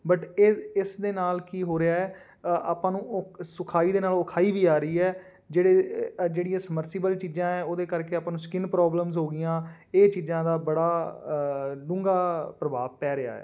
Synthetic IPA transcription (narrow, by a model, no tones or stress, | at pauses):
bəʈeɪsd̪eːnaːlkiːɦoːɾɪaːɛː | a̰ːpãːnũːsʊkʰaːiːd̪eːnaːlʊkʰaːiːʋiːaːɾəiːɛː | d͡ʒeːɽeːd͡ʒeːɽijãːsəməɾsɪbəlt͡ʃiːd͡ʒãːɛ̃ːoːd̪eːkəɾkeːaːpãːnũːskɪnpɾɔːbləmzɦoːɡɪjãː | eːt͡ʃiːzãːd̪aːbəɽaː | ɖʊ̃ːŋɡaːpɾəba̰ːʋpɛːɾea̰ːɛ̰ː